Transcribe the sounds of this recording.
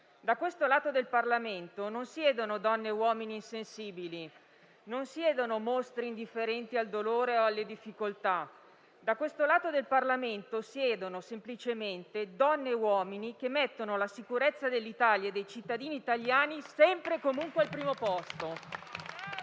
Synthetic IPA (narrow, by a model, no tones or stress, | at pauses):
d̪akwest̪olaːt̪od̪elparlament̪ononsjɛːd̪onod̪ɔnːewɔːminiːnsensiːbili | nonsjɛːd̪onomost̪ɾiːnd̪ifːeɾɛnt̪iald̪oloːɾeoalːed̪ifːikolt̪a | d̪akːwest̪olaːt̪od̪elparlament̪osjɛːd̪onosemplit͡ʃement̪ed̪ɔnːeːwɔːminikemːɛt̪ːonolasikuɾet̪sːad̪elːit̪aljaed̪ːejt͡ʃit̪ːad̪iːniːt̪aljaːnisɛmpɾekomuŋkwealpɾiːmopɔst̪o